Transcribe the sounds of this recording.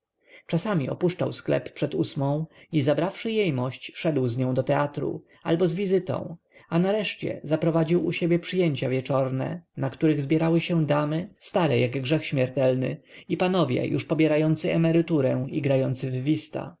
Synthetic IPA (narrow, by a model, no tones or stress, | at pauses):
t͡ʂasamʲiʔɔ̰puʂt͡ʂawsklɛ̰pːʂɛd̪usmɔ̃w̃izabɾafʂɘjejmɔɕt͡ɕʂɛd̪wzɲɔ̃w̃d̪ɔt̪ɛat̪ɾṵ | albɔzvʲizɘt̪ɔ̰̃w̃ | anaɾɛʂt͡ɕɛ̰zapɾɔvad͡ʑiwuɕebʲjɛpʂɘjeɲt͡ɕavʲjɛt͡ʂɔɾnɛ̰nakt̪uɾɘɣzbʲjɛɾawɘɕɛd̪amɘst̪aɾɛjaɡɡʐɛxɕmʲjɛɾt̪ɛlnɘ̰ipanɔvʲjɛ̰juʂpɔbʲjɛɾajɔnt̪sɘɛmɛɾɘt̪uɾɛiɡɾajɔnt̪sɘvːʲist̪a̰